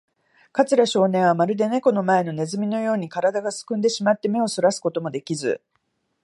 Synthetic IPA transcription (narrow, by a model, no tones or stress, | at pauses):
kat͡sɨɾaɕo̞ːnẽ̞ɰ̃β̞amaɾɯ̟d̪e̞ne̞ko̞no̞mae̞no̞ne̞zɨmʲino̞jo̞ːɲ̟ikaɾad̪aɡasɨ̥kɯ̃nd̪e̞ɕimat̪ːe̞me̞o̞soɾasɨ̥ko̞t̪omo̞d̪e̞kʲizɨ̰